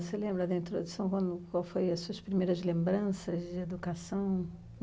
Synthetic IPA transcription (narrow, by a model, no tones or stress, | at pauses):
selẽmbɾɐd̪ɐĩnt̪ɾod̪usɐ̃w̃kwɐ̃nd̪ʊkwawfojɐsuɐspɾimejɾɐzlẽmbɾɐ̃sɐzd͡ʒɪed̪ukasɐ̃w̃